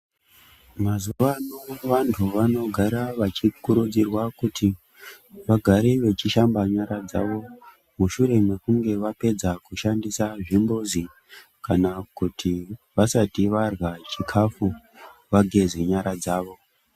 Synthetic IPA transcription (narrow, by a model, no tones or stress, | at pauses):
mazuʋanoʋantʰuʋano̞ɡʱaɾaʋat͡ʃikuɾud͡zirwakutʰi | ʋaɡʱaɾeʋe̞t͡ʃiʃambaɲaɾad͡za̰ʋo̞ | muʃuɾe̞me̞kuŋɡe̞ʋape̞d͡zakuʃandisaʐimbozi | kanakutʰi | ʋasatiʋarɣat͡ʃikʰafu | ʋaɡʱe̞zeɲaɾad͡zaːʋo̞